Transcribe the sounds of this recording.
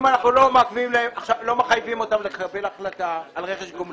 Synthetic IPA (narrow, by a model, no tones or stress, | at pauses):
manaχnulo̞meakvimlaemaχʃavlo̞meχajvimo̞tamlekʰaʁbe̞laχlataːlʁeχeʃɡom